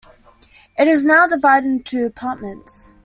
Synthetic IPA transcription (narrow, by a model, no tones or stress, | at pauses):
ʔɪɾɪznaʊdɪvaɪɾɪ̃ntʰʉəpʰɑˑʔmə̃nts